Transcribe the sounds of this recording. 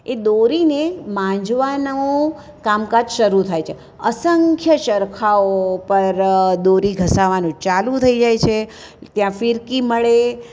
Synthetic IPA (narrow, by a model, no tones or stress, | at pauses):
ed̪oɾinemãd͡ʒʋanõ | kamkad͡ʒʃəɾut̪ʰajt͡ʃʰe | əsəŋkʰjət͡ʃəɾkʰaopəɾd̪oɾiɡʱəsaʋanũt͡ʃalũt̪ʰəid͡ʒajt͡ʃʰe | t̪jãfiɾkiməɭe